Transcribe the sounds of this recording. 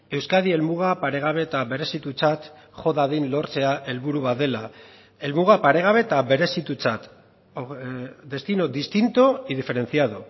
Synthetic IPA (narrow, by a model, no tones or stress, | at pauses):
e̞wskaðie̞lmuɣ̞apaɾe̞ɣ̞aβ̞e̞t̪aβe̞ɾe̞sit̪ut͡sat̪ | ʝo̞ðaðinlo̞ɾt͡se̞aʔe̞lβuɾuβaðe̞la | e̞lmuɣapaɾe̞ɣ̞aβ̞e̞t̪aβe̞ɾe̞sit̪ut͡sat̪ | od̪e̞st̪ino̞d̪ist̪int̪oið̞ife̞ɾe̞nθiaðo